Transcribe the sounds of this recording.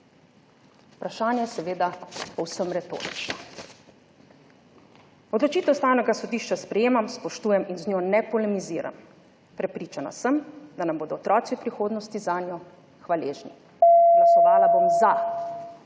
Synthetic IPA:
u̥pɾaʃaːnjɛjɛsɛʋeːd̪apɔwsəmɾɛt̪o̰ːɾit͡ʃnɔ | ɔd̪lɔt͡ʃiːt̪ɛwst̪aːwnɛɡasɔd̪iːʃt͡ʃaspɾɛjeːmamspɔʃt̪uːjɛminznɲoːnɛpɔlɛmiziːɾa̰m | pɾɛpɾiːt͡ʃana̰səmd̪anamboːd̪ɔːt̪ɾɔːt̪siwpɾixoːd̪nɔst̪izaːnjɔ | xʋaleːʒni | ɡɡlasɔʋaːlabomza

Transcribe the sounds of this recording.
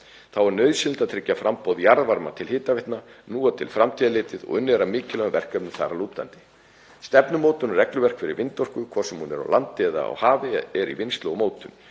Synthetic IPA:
θawɛɾnœɥðsɪlt̪aðt̪ʰɾɪcːafɾʔampʰoːwðjaɾðvaɾma̰t̪ʰɪlhɪːt̪avɪht̪nanuːat̪ʰɪ̰lfɾamt̪ʰiːðalɪːt̪ɪðɔ̰ɣʏnːɛɾamɪːcɪlœɣʏvɛr̥kœp̚nʏθa̰ɾaluːt̪la̰nt̪ɪ̥ | st̪ɛpnʏmoːwt̪ʏnrɛklʏvɛr̥kfɪɾɪɾvɪnt̪ɔr̥kʏkʰɔrsɛmhunɛɾa̰wlant̪ːɪɛða̰a̰whaːvɪɛɾḭvɪnst̪lomoːwt̪ʏm

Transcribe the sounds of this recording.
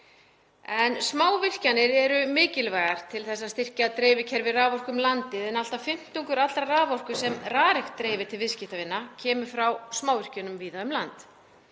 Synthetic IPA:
ɛnsmaːwvɪr̥canɪɾɛɾʏmɪːcɪlvaːɣaɾ̥t̪ʰɪlθɛsːast̪ɪr̥caːðt̪ɾeːvɪcʰɛɾvɪraːvɔr̥kʏmlant̪ɪðɛnal̥t̪afɪm̥t̪uŋkʏɾat̪lɾaraːvɔr̥kʏsɛmraːɾɪxt̪ːɾeːjvɪ̥t̪ʰɪlvɪscɪht̪avɪnːacʰɛːmʏfɾawsmaːwvɪr̥cʏnʏmviːðaðʏmlant̪

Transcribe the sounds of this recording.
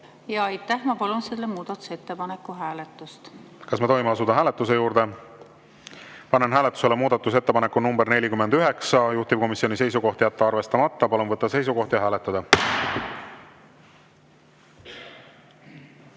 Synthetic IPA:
jɑɑjt̪ːˑæhmɑpɑlunselːemuːd̪̥ɑt̪ːˑu̥set̪ːe̞pɑnekːuɦæːlet̪ːˑust̪kɑsmet̪o̞jmeɑsud̪̥ɑɦæːle̞t̪ːˑus̬e̞juːɾd̪e̞ | pɑnenɦæːlet̪ːˑu̥se̞lemuːd̪̥ɑt̪ːˑus̬e̞t̪ːeɑnekːˑunumbe̞ɾnelʲikymːe̞nd̪yɦe̞ksɑjuht̪ib̥̚ko̞misːionise̞jsuko̞ht̪ijæt̪ːeɑrve̞st̪ɑmɑt̪ːɑpɑlunvɤt̪ːɑse̞js̬uko̞ht̪jɑɦæːlet̪ˑːɑd̪ɑ

